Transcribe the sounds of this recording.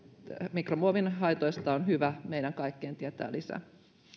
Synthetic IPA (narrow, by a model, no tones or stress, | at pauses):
mikromuoʋinɦɑjt̪ojst̪ɑonɦyʋæmejdæŋkɑjkːeːnt̪iet̪æ̰ːlisæ̰